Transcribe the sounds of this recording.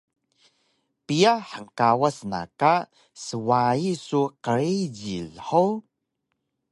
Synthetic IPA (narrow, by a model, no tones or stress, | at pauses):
pijaħəŋkawasna̰ka | səwaisuqəɾid͡ʑilħow